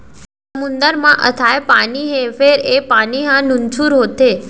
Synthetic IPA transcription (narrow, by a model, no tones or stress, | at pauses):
s | əmund̪əɾmãʔə̰t̪ʰaepaniɦefeɾepaniɦãnunt͡ʃʰuɾɦot̪e